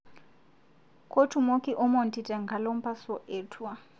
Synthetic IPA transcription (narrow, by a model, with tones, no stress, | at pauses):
kʰʼo˦tʰu˨mo˦kʼi˦ʔɔ˦mɔ˨n̩tʼitʼɛ˨ŋɡʱa˨lo˦m̩˦pʰʼa˦sɔ˦ʔɛː˨tʰwa˦